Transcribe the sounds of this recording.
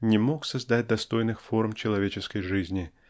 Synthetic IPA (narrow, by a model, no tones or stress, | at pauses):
nʲɪmo̞ksɐzd̪at̚ʲd̪ɐst̪o̞jnɨxfo̞rmt͡ɕɪlˠɐvʲet͡ɕɪskəjʐɨzʲnʲɪ